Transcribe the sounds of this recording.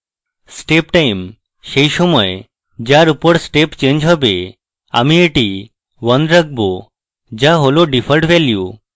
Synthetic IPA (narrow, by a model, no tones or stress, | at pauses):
sʈepʈaim | ɕejɕoməj | d͡ʑjaɾupəɽsʈept͡ɕẽɲd͡ʑɦəbe | a̰mieʈi | ʋənɾək̚bo | d͡ʑaɦoloɖifəlʈʋɛlju